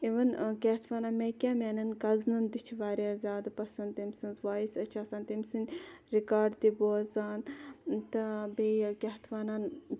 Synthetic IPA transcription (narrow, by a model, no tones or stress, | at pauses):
eʋɐnkʲet̪ʰʋaːnanmekʲaːmʲaːnɐnkɐznɨnd̪it͡ʃʰʋaːɾaːzʲaːd̪pɐsɐnt̪emsinzʋaːisɐt͡ʃʰaːsant̪emsinʲɾikaːɖt̪iboːzaːnt̪ɨbejkʲeɦt̪ʰʋaːnan